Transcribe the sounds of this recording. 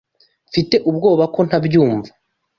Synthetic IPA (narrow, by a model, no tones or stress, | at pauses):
fite̞ʔub̚ɡo̞ːβako̞n̥habjuːɱva